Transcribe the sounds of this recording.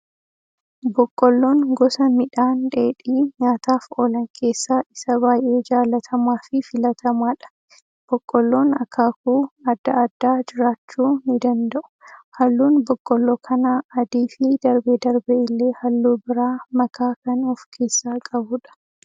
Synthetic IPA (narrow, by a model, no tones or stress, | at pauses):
bɔkʼːɔlːo̞ːŋɡɔsɐmɪᶑaːnᶑe̞ːᶑiːɲaːt̪aːfoːlɐŋkʰe̞ːsːaːʔɪsɐbaːjʔe̞ːd͡ʒaːlɐt̪ʰɐmaːfɪfɪlɐt̪ʰɐmaːᶑɐ̥ | b̥ɔkʼːɔlːo̞ːnɐkːaːkuːɐd̪ːɐɐd̪ːaːd͡ʒɪɾaːt͡ʃːuːnɪd̪ɐnd̪ɐʔʊ̥hɐlːuːnbɔkʼːɔlːoːkʰɐnaːɐd̪iːfɪd̪ɐɾbɛd̪ɐɾbɛɪlːe̞ːhɐlːuːbɪɾaːmɐkʰaːkɐnɔfkʰe̞ːsːaːkʼɐbʊᶑɐ̥